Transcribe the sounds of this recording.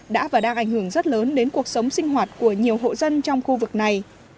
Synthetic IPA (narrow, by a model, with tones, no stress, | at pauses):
ɗa̰ː˧˥vaː˨˩ɗaː˧ŋʔa˧˩jŋ̟hɨ˧˩əŋzə˦˥t̚ləː˨˦nɗe˨˦nku˨˩ək̚sə˨˦wŋ͡msï˧ŋ̟ɦwaː˨˩t̚ku˧˩əɲi˨˩əwɦo̰˧˨zə˧nt͡ɕɔ˧wŋ͡mxu˧vɨ˨˩k̚na˨˩j